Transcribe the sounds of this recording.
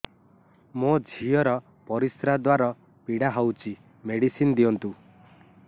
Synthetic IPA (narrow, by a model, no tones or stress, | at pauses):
mod͡ʒʱiɔɾɔ | pɔɾisɾad̪waɾɔ | piɽaɦɔwt͡ʃi | meɽisinɔd̪iɔnt̪u